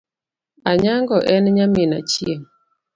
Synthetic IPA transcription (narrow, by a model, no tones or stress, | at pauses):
aɲaŋɡɔʔɛnɲamɪna̰t͡ʃjeŋ